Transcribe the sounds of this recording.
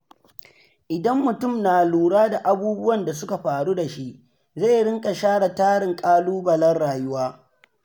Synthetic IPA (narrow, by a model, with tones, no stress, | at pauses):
ʔɪ˨dɐ˦mːʊ˨tʊ˦˨mnaː˨luː˨ɽaː˦da˨ʔa˦buː˦bʊ˦wɐ˨nda˨sʊ˦ka˨ɸaː˨ɽu˦da˨ʃi˦ʔ | za˦˨jɽɪ˦ŋkʼa˨ʃaː˦ɽa˨taː˦ɽɪ˨ŋkʼaː˦luː˦bɐ˨lɐ˦rɽaː˨jʊ˦waː˦